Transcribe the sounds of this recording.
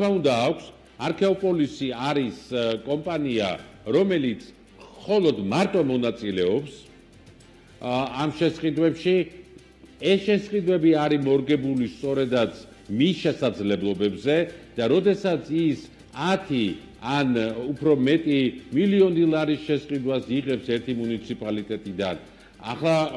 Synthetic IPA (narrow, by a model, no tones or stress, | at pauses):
maund̪aːkʰs | aɾkʰɛɔpʼɔlisiaɾiskʼɔmpʼania̰ɾɔmɛlit̪sʰ | χɔlˠɔd̪maɾt̪ʼɔmɔnat̪sʼilɛɔps | amʃɛsqʼid̪wɛpʃi | ɛsʃɛsʼqʼid̪wɛbiaɾimɔɾɡɛbulist̪sʼɔɾɛd̪at̪sʰ | misʃɛsad̪zlɛblˠɔbɛbzɛd̪̥aɾɔd̪ɛsat̪sʰis | at̪ʰi | anupʰɾɔmɛt̪ʼimiliɔnilˠaɾiʃɛsʼqʼid̪wasiʁɛpsɛɾt̪ʰimunit̪sʰipʼalit̪ʼɛt̪ʼid̪a̰n | a̰χlˠa